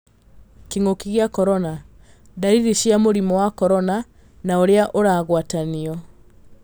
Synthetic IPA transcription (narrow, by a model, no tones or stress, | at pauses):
kiŋokiɣeakɔɾɔna | daɾiɾiɕjamoɾimɔwakɔɾɔna | naoɾeaʔoɾaːɣwataniɔ